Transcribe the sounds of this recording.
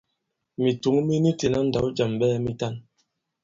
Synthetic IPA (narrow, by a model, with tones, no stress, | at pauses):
mi˨tu˨˦ŋ˦mi˦ni˦te˨na˦n̩˨da˨˦wd͡ʒa˨mɓɛː˦mi˦ta˦˨n